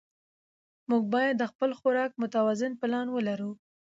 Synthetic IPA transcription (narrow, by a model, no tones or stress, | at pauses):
muɡ̚bɑjad̪ːəxpəlxʊɾɑk̚mʊt̪awɑzɪnpəlɑnwəlaɾu